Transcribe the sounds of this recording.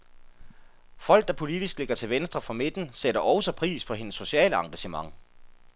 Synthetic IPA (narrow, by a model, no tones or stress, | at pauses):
fɒ̽l̰ɡ̥̚d̥ɑ̈pʰo̝lid̥isɡ̥le̝ɡ̥ɐt͡sʰe̝lʋensd̥ʁɐfʁɑ̈me̝d̥n̩seɾɐʔɒʊsɒpʰʁḭːspʰɒ̽ɦe̝nəsːo̝ɕɛ̰ːləɑ̈ŋɡ̥æɕəmɑ̈ŋ